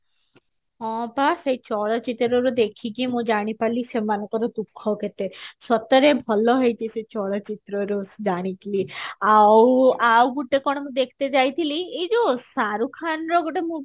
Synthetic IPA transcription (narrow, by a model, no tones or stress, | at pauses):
ɔ̃pasejt͡ʃɔɭɔt͡ʃit̪ɾɔɾud̪ekʰikimũd͡ʒaɽ̃ipalisemanɔkɔɾɔt̪ukʰːɔket̪esɔt̪ɔɾebʱɔlɔɦɔjt̪ʰiset͡ʃɔɭɔt͡ʃit̪ɾɔɾusd͡ʒaɽ̃it̪iliawawɡuʈːekɔɽ̃ɔmũd̪ekʰt̪ed͡ʒajt̪ʰiliejd͡ʒosaɾukʰanɾɔɡɔʈemũ